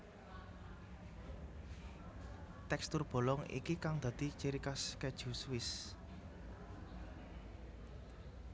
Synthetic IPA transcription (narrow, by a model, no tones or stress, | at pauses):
t̪ɛkst̪ʊrb̥o̤lɔŋḭkikaŋd̪̥ä̤d̪̥i̤t͡ʃeɾikaskɛ̥ʒ̥ṳswɪs